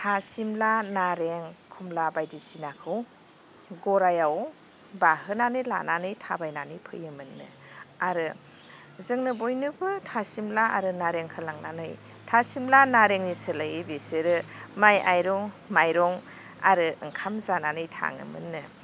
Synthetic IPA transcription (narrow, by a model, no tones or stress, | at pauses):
tʰasimlanaɾeŋkʰumlabajdisinakʰɯw | ɡɔɾajaw | baɦɯnanɯjla̰nanɯjtʰabajnanɯjpʰɯ̰jɯmɯnːɯ̰ | aɾɯ | zɯŋnɯbojnɯbɯtʰasimlaa̰ɾɯnaɾeŋkʰɯlaŋna̰nɯj | tʰasimlanaɾeŋnisɯlajbesɯɾɯmaja̰jɾɔŋ | majɾɔŋ | a̰ɾɯɯ̰ŋkʰamzananɯjtʰa̰ŋɯ̰mɯ̰nːɯ